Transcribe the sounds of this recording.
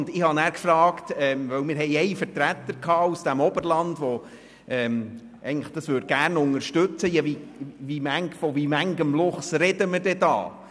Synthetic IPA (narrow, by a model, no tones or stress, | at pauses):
ndɪhɑnæːɾkfɾɑːktɛmʋœwmɪːɾɦɛɪɛɪfəɾtɾæt̪ːəɾkʰɑːusd̥æmɔbəɾlɑndʋɔ | ʔɛːm | ʔɛ̰ɡŋn̩ləχd̥ɑsʋøːd̚ɡ̥æːɾnʊŋəɾʃtɵt͡səjɑʋiʋimæŋkfɔvimæŋɡəmlʊχsɾɛdəməd̥ɛd̥ɑ̰ː